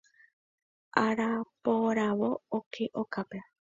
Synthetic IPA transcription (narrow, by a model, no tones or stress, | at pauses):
aɾapoɾaβookʰeʔokape